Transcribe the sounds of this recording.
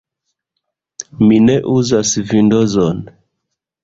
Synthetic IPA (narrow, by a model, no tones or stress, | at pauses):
mineʔuzasvindozon